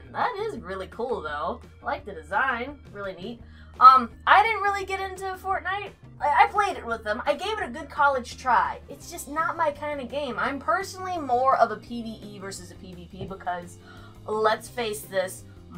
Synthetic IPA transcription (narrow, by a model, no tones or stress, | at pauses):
ðəɾɪzɹɪlˠikʰulˠðoʊ | laɪk̚ðɨdɨzãɪ̃nɹɪlˠinit̚ | ʔʌ̃mʔaɪɾɪdⁿn̩t̚ɹɪlˠiɡɛɾɪ̃ntʉəfɔɹtⁿnaɪt̚ | aaɪpʰl̥eɪɾɨt̚wəðə̃ma̰ɪɡeɪvɨɾɨɡʊd̚kʰɑlˠɨd̥ʒ̥tʰɹ̥aɪɨtsd̥ʒ̥ʌsnət̚maɪkʰãɪ̃ndɨɡẽɪ̃mãɪ̃mpʰɜ˞sn̩l̩ˠimɔɹʌvəpʰiviʔivɜ˞sɨzɨpʰivipʰibəkʰʌz | lətsfeɪsðɪs